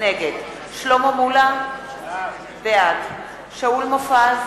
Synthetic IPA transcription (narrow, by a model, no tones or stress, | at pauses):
neɡed̪ | ʃlomomula | bead | ʃaulmofaz